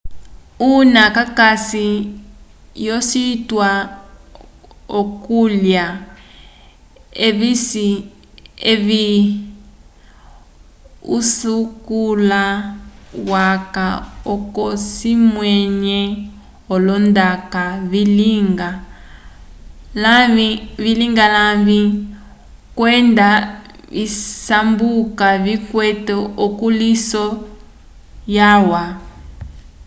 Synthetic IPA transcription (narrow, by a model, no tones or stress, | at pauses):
unakakasi | jɔsitwa | okulja | eβisi | eβi | ṵsukula | wakaɔkɔsimwɛɲɛ | ɔlɔndakaβiliŋɡa | laiβiliŋɡalavi | kwɛnda | βisambukaβikwɛtɔɔkulisɔ | jawa